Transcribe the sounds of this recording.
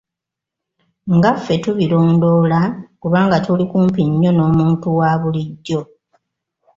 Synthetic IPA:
ŋɡafːe̞tuβilo̞ːndo̞ːlakuβaːŋɡatulikuːmpiɲːo̞no̞ːmuːntuwaːβuliɟːo̞

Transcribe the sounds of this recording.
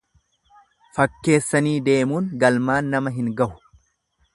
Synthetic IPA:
fɐkːe̞ːsːɐniːd̪e̞ːmuːŋɡɐlmaːnːɐmɐɦɪŋɡɐhʊ̥

